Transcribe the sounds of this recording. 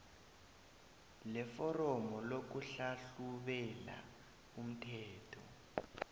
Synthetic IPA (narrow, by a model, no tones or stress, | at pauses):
lɛfɔrɔmɔlok̬uɬaɬuɓɛla̰ | um̩tʰɛːtʰɔ